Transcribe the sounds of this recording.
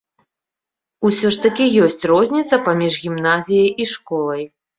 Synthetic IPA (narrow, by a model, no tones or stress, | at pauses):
usʲɔʂt̪ɐkʲijɔsʲt͡sʲrɔzʲnʲit̪sɐpamʲiʐɣʲimnazʲijɐjiʂkɔlˠɐj